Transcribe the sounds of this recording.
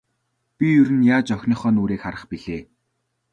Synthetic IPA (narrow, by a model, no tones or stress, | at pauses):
pʲijɵɾɘ̆njaːt͡ɕœxʲniːχɔːnuːɾeːkχaɾə̆χpiɮeː